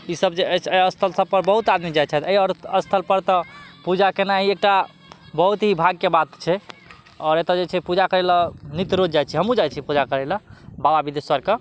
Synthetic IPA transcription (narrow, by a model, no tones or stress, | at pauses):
isəbd͡ʒeət͡ʃʰəəst̪ʰəlsəb̚pəɾbəɦut̪ad̪mid͡ʒajt̪t͡ʃʰaɛt̪əjɔɾəst̪ʰəlpəɾt̪ɔpud͡ʒakenaɦiek̚ʈa | bəɦut̪ɦibʱaɡ̚kebat̪t͡ʃʰɛ | ɔːɾet̪ad͡ʒet͡ʃʰɛpud͡ʒakəɾelənit̪ɾod͡ʒd͡ʒajt͡ʃʰiɦəmud͡ʒajt͡ʃʰipud͡ʒakəɾɛləbababid̪esəɾke